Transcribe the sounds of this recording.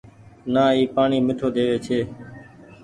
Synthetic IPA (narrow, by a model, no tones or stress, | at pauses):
naːiːpaːɳiːmɪʈʰoːd̪eːʋeːt͡ʃʰeː